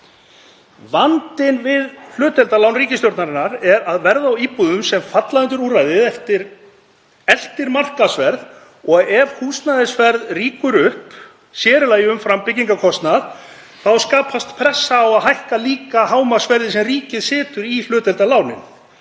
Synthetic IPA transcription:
vant̪ɪnvɪðl̥ʏːt̪ɛlt̪alawnriːcɪst̪jowɾt̪naɾɪnːaɾɛɾaðvɛɾðaːwiːpuðʏmsɛmfat̪laðʏnt̪ʏɾuːrajðɪðɛft̪ɪɾ | ɛl̥t̪ɪɾmar̥kasvɛɾð | ɔɣɛv̥huːsnaðɪsvɛɾðriːkʏɾʏhp | sjɛːɾɪlaːjʏmfɾampɪcːiŋkakʰɔst̪nað | θawskaːpʰast̪pʰɾɛsːaːwaðɦajhkaliːkahaːwmasvɛɾðɪsɛmriːcɪðsɪːt̪ʏɾilʏːt̪ɛlt̪alawnɪ̰n

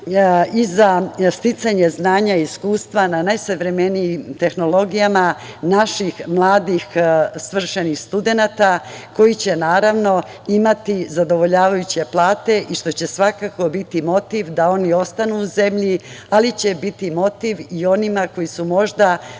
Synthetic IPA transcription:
izast̪it̪saɲe̞znaːɲaiskuːst̪ʋananajsaʋɾe̞me̞niimt̪e̞xno̞lo̞ɡijama | naʃixmlˠaːd̪ixsʋr̩ʃenixst̪ud̪e̞nat̪ako̞jit͡ɕe̞naːɾaʋno̞ | imat̪izad̪o̞ʋo̞ʎaːʋajut͡ɕe̞plˠaːt̪e̞ʔiʃt̪o̞t͡ɕe̞sʋakako̞bit̪imo̞t̪iʋd̪ao̞nio̞st̪anuːze̞mʎialit͡ɕe̞bit̪imo̞t̪iʋio̞nimako̞jisumo̞ʒd̪a

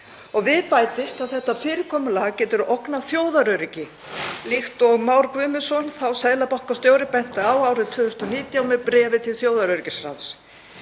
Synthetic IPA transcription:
ɔɣvɪðpaːjt̪ɪst̪aðθɛht̪ːafɪːɾɪkʰɔːmʏlaɣcɛːt̪ʏɾowknaθjoːwðaɾœɥɾɪcɪ | lixt̪ɔɣmawɾkvʏːmɪsɔnθawsaːðlapɔhkast̪jowɾɪpɛn̥t̪aawaːwɾɪt̪ʰʏːðʏ̥st̪ɔniːt̪jawmɛpɾɛːvɪt̪ʰɪlθjoːwðaɾœɥɾɪcɪsɾa̰ns

